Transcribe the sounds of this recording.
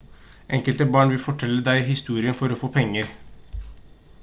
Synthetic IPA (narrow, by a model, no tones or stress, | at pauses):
ʔɛŋkəlt̪əbɑːɳʋɪlfɔʈʰɛlːəd̪æɪɦɪst̪uːɾɪənfɔɾɔfoːpʰɛŋːəɾ